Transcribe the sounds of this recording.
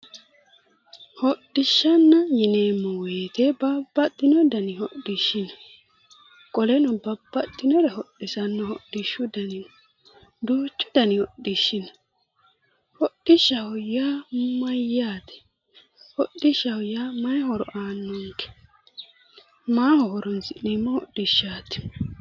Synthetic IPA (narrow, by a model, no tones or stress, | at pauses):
hɔɗːɪʃːɐnːɐjɪneːmːɔweːt̪ɛbɐbːɐt̪ːɪnɔd̪ɐnɪhɔɗɪʃːɪnɐ | kʼɔlɛnɔbɐbːɐt̪ːɪnɔɾɛhɔɗɪsɐnːɐhɔɗːɪʃːʊd̪ɐnɪn | d̪oːt͡ʃːɔ̥d̪ɐnɪwɔɗːɪʃːɪnɐ | hɔɗɪʃːɐhɔjamɐjaːt̪ɛ̥ | hɔɗːɪʃɐhɔjamɐjhɔɾɔ̰ʔaːnːɔŋkɛ̥ | maːhɔhɔɾɔnsɪnemːɔhɔɗɪʃːaːt̪ɛ̥